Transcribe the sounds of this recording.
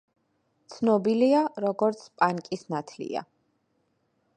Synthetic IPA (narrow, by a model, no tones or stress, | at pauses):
t̪sʰnɔbiliaɾɔɡɔɾt̪sʰpʼaŋkʼisnat̪ʰlḭa̰